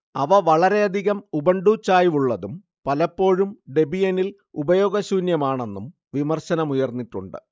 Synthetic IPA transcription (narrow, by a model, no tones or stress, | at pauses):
ɐʋɐʋɐɭɐɾe̞ɐd̪ʱiɣɐmubɐɳɖuːt͡ɕːaːjuɭːɐðum | pɐlɐpːo̞ːɻumɖe̞bijenil | ubɐjo̞ːɡɐɕuːnjɐmaːɳe̞nːum | ʋimɐrɕɐnɐmujɐrnːiʈːuɳɖɨ